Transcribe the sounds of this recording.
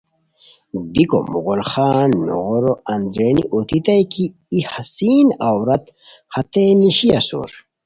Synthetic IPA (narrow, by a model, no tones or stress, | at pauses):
biko̰muɣolxaːnːo̰ɣoɾoɐnd̪ɾeːnḭʔot̪it̪ɐjkʰiː | hasiːnawɾɐt̪ | hɐt̪eniɕiɐso̰ɾ